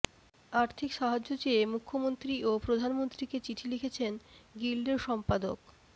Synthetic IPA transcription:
aɾt̪ʰikʃaɦad͡ʑːot͡ɕeemukʰːomont̪ɾiopɾod̪ʱanmont̪ɾiket͡ɕiʈʰilikʰet͡ɕʰenɡilɖeɾʃɔmpad̪ok

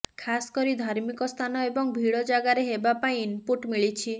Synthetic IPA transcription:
kʰasɔ̥kɔɾid̪ʱaɾmikɔst̪ʰanɔebɔŋbʱiɽɔd͡ʒaɡaɾeɦebapaĩinpuʈmiɭit͡ʃʰi

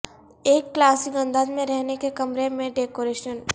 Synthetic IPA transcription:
eːkːlaːsiɡə̃nd̪ad̪mẽɾɛɦnekekɐmɾemẽɖeːkoɾeːʃən

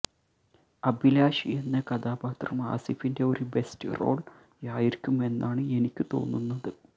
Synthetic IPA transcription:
ɐbilaːʂienːɐkɐd̪aːbaːt̪rɐma̰ːsifinde̞o̞ɾube̞stɨ̰ro̞̰ːɭ | jaːjirkʲːume̞nːaːɳɨe̞nikʲːɨt̪o̞̰ːnːunːɐðɨ

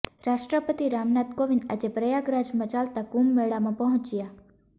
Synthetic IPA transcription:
ɾaʃʈɾəpət̪iɾamnat̪koʋind̪a̰d͡ʒepɾəjaɡɾad͡ʒmãt͡ʃalt̪aɡumːeɭamãpəɦʊ̃t͡ʃja

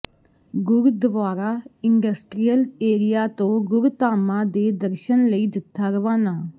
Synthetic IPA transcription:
ɡʊɾd̪əʋaːɾaːɪnɖəsʈɾijəleːɾɪjaːt̪õːɡʊɾt̪aːmãːd̪eːd̪əɾʃənləiːd̪ɪt̪ʰːaːɾəʋaːnaː

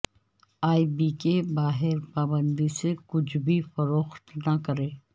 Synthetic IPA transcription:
aːibiːkebaːɦɪɾpaːbə̃nd̪isekʊt͡ʃʰbʱifɐɾoːxt̪nɐkɐɾeː

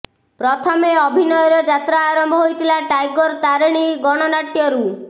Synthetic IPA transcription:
pɾɔt̪ʰɔmeɔbʱinɔjɔɾɔd͡ʒat̪ɾaːɾɔmbʱɔɦojt̪ʰilaʈajɡɔɾt̪aɾeɽ̃iɡɔɽ̃ɔnaʈjɔɾu

